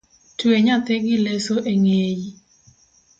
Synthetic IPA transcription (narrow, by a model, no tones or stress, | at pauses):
tweɲat̪ɛɡɪlesoʔeŋeji